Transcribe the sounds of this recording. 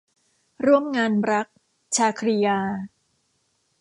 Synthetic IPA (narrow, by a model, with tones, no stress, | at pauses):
ɾu˥˩əmŋaː˧nɾa˦˥k̚ | t͡ɕʰaː˧kʰɾi˧jaː˧